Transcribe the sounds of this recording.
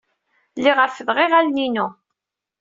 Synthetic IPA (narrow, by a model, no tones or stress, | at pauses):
lːiʁəɾfəðʁeʁælninu